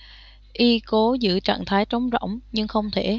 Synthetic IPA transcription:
ʔi˧ko˨˦zɨ̰˧˥t͡ɕa̰ː˧˨nt̪ʰaː˨˦jt͡ɕə˨˦wŋ͡mzɔ̰˧˨wŋ͡mɲɨ˧ŋxə˧wŋ͡mt̪ʰe˧˩

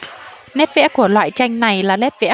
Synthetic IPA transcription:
nɛ˦˥t̚vɛ̰˧˥ku˧˩əlwa̰ː˧˨jt͡ɕa˧jŋ̟na˨˩jlaː˨˩nɛ˦˥t̚vɛ̰˧˥

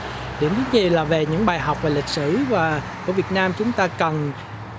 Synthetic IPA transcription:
ɗi˧˩əmt̪i˨˦˥ɲi˨˩laː˨˩ve˨˩ɲɨ̰˧˥ŋɓaː˨˩jɦa˨˩wk͡p̚vaː˨˩lï˨˩k̟̚sɨ̰˧˨vaː˨˩ku˧˩vi˨˩ət̚naː˧mt͡ɕʊ˨˦ŋ͡mt̪aː˧kə˨˩n

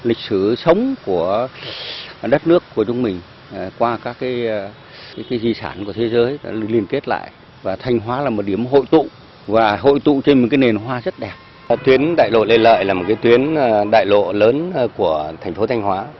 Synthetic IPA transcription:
lï˨˩k̟̚sɨ˧˩sə˨˦wŋ͡mku˧˩ə | ɗə˦˥t̚nɨ˦˥əkːu˧˩ət͡ɕʊ˧wŋ͡mmï˨˩ŋ̟˨ | kwaː˧kaː˦˥kːaː˨˦j | jkaː˨˦jzi˧˩sa̰ː˧˩nku˧˩ət̪ʰe˨˦zəː˨˦jli˧ənke˦˥t̚la̰ː˧˨j | vaː˨˩t̪ʰa˧jŋ̟ɦwaː˨˦laː˨˩mo˨˩t̚ɗi˧˩əmɦo̰˧˨jt̪ṵ˧˨ | vaː˨˩ɦo̰˧˨jt̪ṵ˧˨t͡ɕe˧nmo˨˩kaː˨˦jne˨˩nɦwaː˧zə˦˥t̚ɗɛ˨˩p̚ | t̪wi˨˦ənɗa̰ː˧˨jlo̰˧˨le˧nlə̰ː˧˨jlaː˨˩mo˨˩t̚kaː˨˦jt̪ʰwi˨˦ən˧ɗa̰ː˧˨jlo̰˧˨ləː˨˦nku˧˩ət̪ʰɛ˨˩ŋ̟fo˨˦t̪ʰa˧jŋɦwaː˨˦

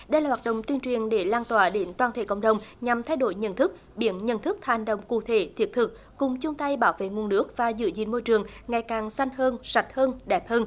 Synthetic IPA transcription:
ɗə˧jlaː˨˩waː˨˩t̚ɗə̰˧˨wŋ͡mt̪wi˧ənt͡ɕwi˨˩ənɗe˧˩laː˧nt̪waː˨˩ɗe˨˦nt̪waː˧˩nt̪ʰḛ˧˩kə̰˧˨wŋ͡mɗə˨˩wŋ͡mɲa˨˩mt̪ʰa˧jɗo˧˦jɲə̰˧˨nt̪ʰɨ˦˥k̚ | ɓi˨˧˦ənɲə̰˧˨nt̪ʰɨ˦˥k̚ha˨˩ŋɗə̰˧˨wŋ͡mkṵ˧˨t̪ʰe˧˦t̪ʰi˨˦˥ət̚t̪ʰɨ˨˩k̚ːʊ˨˩ŋ͡mt͡ɕʊ˧ŋ͡mt̪a˧jɓaː˧˦wvḛ˧˨ŋu˨˩ənːɨ˦˥ək̚vaː˨˩zɨ̰˧˦zḭ˧˨nmo˧jt͡ɕɨ˨˩əŋŋːa˨˩jkaː˨˩ŋsa˧jŋhəː˧nsa˨˩jt̚həː˧nɗɛ˨˩˦p̚həː˧n

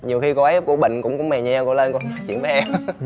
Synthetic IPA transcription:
ɲi˨˩əwxi˧ko˧a˨˦˥p̚ku˧˩əɓḭ̈˧˨ŋ̟kʊ̰˧˥wŋ͡mkʊ̰˧˥ŋ͡mmɛ˨˩ɲɛ˧kɔ˧˩lə˧nkn˨˩t͡ɕḭ˧˩ənvəː˨˦jʔɛ˧m

